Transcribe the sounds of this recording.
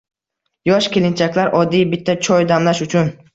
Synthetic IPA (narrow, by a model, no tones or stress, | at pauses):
jɒʃkʲelɪnt͡ʃʰakʲlaɾʔɒd̪ːijbɪt̪ʰːat͡ʃʰɒjd̪amlaʃʊt͡ʃʰʊn